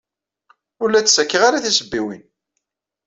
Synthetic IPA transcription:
ʊlːæt͡sːsækːəʁaɾaθisəbːiwḭn

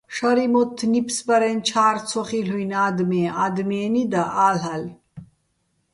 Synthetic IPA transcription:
ʂɐɾimot̪ʰːnipsbɐɾent͡ʃʰaːɾt͡sʰoχilujnaːd̪mead̪meːnid̪ɐʔaːlɐl

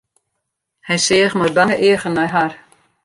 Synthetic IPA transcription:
hɛjsɪəxməbaŋəʔɪəɣənɛjɦar

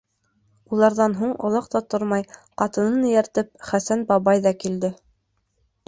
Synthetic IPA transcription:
ulˠɑɾðɑnɦuɴŏ̰lˠɑqt̪ɑt̪oɾmɑjqɑt̪ɤ̆nɤnjæɾt̪ɘp̚χæsænbɑβɑjðɑkild̪ɘ

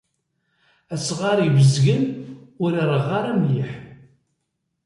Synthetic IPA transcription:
æsʁaɾivəzɡənʊɾəɾˤəʁaɾˤæmliħ

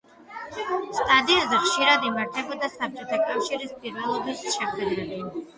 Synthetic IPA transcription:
st̪ʼad̪iazɛχʃiɾad̪imaɾt̪ʰɛbɔd̪asap̚t͡ʃʼɛt̪ʰakʼafʃiɾispʼiɾvɛlˠɔd̪ɛsʃɛχwɛd̪ɾɛli

